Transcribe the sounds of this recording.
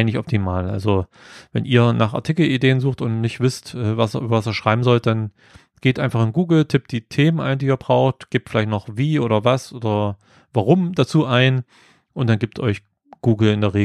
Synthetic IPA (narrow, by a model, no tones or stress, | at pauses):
nɪçɔp̚tʰimaːlʔa̰lzo | vɛ̰nʔiːɐnaːχa̰ɐtʰiːkl̩ʔideːənzuːxtʊntnɪçtv̥ɪstʔɛːvasɐʔyːbɐvasiːɐʃʁ̥aɪbm̩zɔlt̚d̥an | ɡ̥eːtʔaɪnfaχɪnɡuːɡl̩tʰɪp̚td̥iːtʰeːmənʔa̰ɪndiːɐbʁaʊxtɡ̥eːp̚tfɪlaɪçtnɔχviːʔoːɾɐvasʔoːdɐ | vaʁʊmdat͡suːʔaɪn | ʔʊntd̥anɡiːp̚tʰʔɔʏç | ɡ̥uːɡl̩ɪndeːɐʁeː